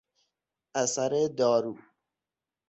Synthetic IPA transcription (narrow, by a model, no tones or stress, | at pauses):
asaɾed̪ɔːɾuː